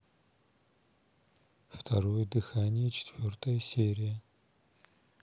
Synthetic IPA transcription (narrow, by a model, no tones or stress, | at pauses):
ft̪ʰɐɾojd̪ɨxanʲɪjɛt͡ʃʰɪ̥t̪vʲort̪ʰɐjɐsʲeɾʲɪjɐ